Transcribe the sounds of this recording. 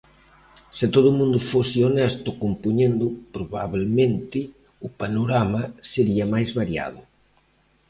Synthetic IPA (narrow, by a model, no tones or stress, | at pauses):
sɪt̪oðʊmũnd̪ʊfosɪonɛst̪ʊkompuɲend̪ʊpɾoβaβelmẽnt̪ɪ | ʊpanoɾamɐseɾiɐmajzβaɾja̰ðʊ